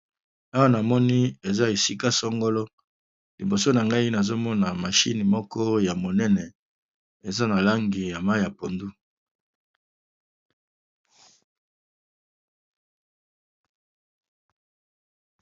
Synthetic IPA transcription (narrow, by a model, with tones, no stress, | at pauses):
a˦wa˦na˨mɔ˦ni˦e˨za˦e˨si˦ka˦sɔ˦ŋɡo˦lɔ˦ | li˨bo˨so˦na˨ŋɡa˦i˦na˨zo˦mɔ˦na˨ma˨ʃi˦ni˨mɔ˦kɔ˦ja˨mo˨nɛ˦nɛ˨ | e˨za˦na˨la˦ŋɡi˨ja˨ma˦ja˨po˨ndu˦